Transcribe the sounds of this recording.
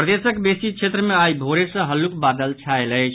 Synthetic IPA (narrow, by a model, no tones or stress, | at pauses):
pɾəd̪esəkbesit͡ʃʰet̪ɾəmeaibʱoɾesə̃ɦəlukbad̪əlt͡ʃʰaeləjt͡ʃʰ